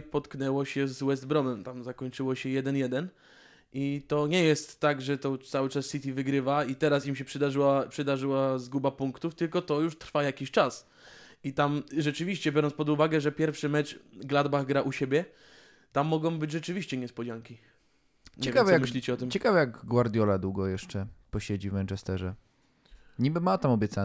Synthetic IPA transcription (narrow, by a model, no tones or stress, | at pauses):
pɔt̪knɛwɔɕɛzwɛzd̪bɾɔmɛmt̪amzakɔɲt͡ʂɘwɔɕɛjɛd̪ɛnjɛd̪ɛn | ʔit̪ɔɲɛjɛst̪ːaɡʐɛt̪ɔt̪sawɘt͡ʂasːit̪ʲivɘɡɾɘvait̪ɛɾasimɕɛpʂɘd̪aʐɘwapʂɨd̪aʐɘwazɡubapuŋkt̪uft̪ɘlkɔt̪ɔjuʂt̪ɾfajakʲiɕt͡ʂas | it̪amʐɛt͡ʂɘvʲiɕt͡ɕɛbʲjɔɾɔnspɔd̪uvaɡɛʐɛpʲjɛɾfʂɘmɛt͡ʂɡlad̪baɣɡɾaʔuɕebʲjɛ | t̪amːɔɡɔ̃w̃bɘd͡ʑʐɛt͡ʂɘvʲiɕt͡ɕɛɲɛspɔd͡ʑaŋkʲi | ɲt͡ɕɛkavɛjjamɕlʲit͡ɕɛɔt̪ɘmt͡ɕɛkavɛjaɡɡwaɾd̪ʲjɔlad̪wuɡɔjɛʂt͡ʂɛpɔɕed͡ʑivmɛnt͡ʂɛst̪ɛʐɛ | ɲibɘmat̪amɔbʲjɛt̪sa